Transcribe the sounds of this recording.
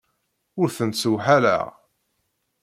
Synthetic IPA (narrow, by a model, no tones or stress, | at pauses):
ʊɾθənsuwħaɾæ̰